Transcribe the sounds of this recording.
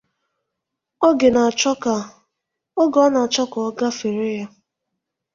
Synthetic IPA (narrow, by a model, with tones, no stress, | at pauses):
o˦ɡe˨na˨t͡ʃka˨ | o˦ɡɔ˨˦na˨t͡ʃɔ˦kɔ˨ɔ˦ɡa˦fe˨ɾe˦ja˦